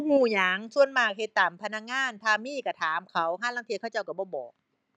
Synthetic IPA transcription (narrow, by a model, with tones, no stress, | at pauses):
huː˧˩jaː˨˦ŋsʰu˧ənmaː˧˩k̚he˧˦t̪ːaː˨˩mpʰa˧na˧˩k̚ŋaː˧˥˨nt̪ʰaː˧miː˧˥˩ka˧˩t̪ʰaː˨˩˦mkʰa˦˥wɦaː˥˩la˧˩ŋt̪ʰi˧kʰaː˧˩wt͡ɕa˧˩wka˧˩bɔː˧˩bɔː˨˩k̚